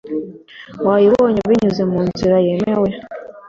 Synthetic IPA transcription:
waːjiwoɲeβiɲuzemuːnziɾajemewe

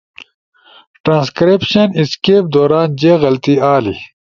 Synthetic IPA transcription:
ʈɾãːnskɾepɕɐniskeːp̚d̪oːɾaːnd͡ʑeːɣɐlt̪iaːlḭ

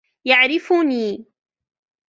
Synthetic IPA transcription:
jaʕɾɪfuniː

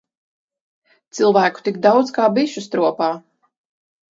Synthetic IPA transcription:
t̪sɨlˠvæːku̥t̪iɡd̪awd̪zkaːbiʃust̪ɾuɔpaː

